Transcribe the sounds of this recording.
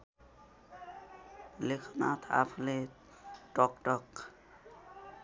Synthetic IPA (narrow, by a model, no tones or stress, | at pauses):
likʰɔnat̪ʰa̰pʰle | tɔkʈɔk